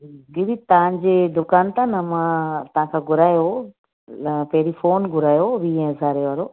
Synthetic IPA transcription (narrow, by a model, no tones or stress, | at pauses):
ɡiɾit̪ɐʋãɲd͡ʑeːd̪ʊkaːnt̪ãnɐmãt̪ɐʋ̤ãkʰãːɡʱʊɾaːjo | pɐɦɪɾifoːnɡʱʊɾaːjoʋiɛ̃zʱaːɾeʋaːɾo